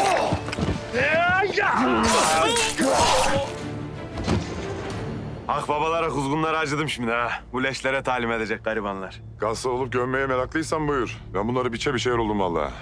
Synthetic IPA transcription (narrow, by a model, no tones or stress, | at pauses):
axbaβalˠaɾakuzɡunlˠaɾɯad͡ʒɯd̪ɯmʃimnabulʲɛʃlʲeɾɛt̪ʰaːlʲimed̪e̞d͡ʒɛc̚ɡ̥aɾibanlˠaɾ̥ | ɡ̥azˠɯolˠup̚ɟøɾmejɛmeɾaklˠɯjsanbujuɾvɛbunˠaɾɯbit͡ʃʰɛbiʃejɾolˠd̪umvalˠːa̰ː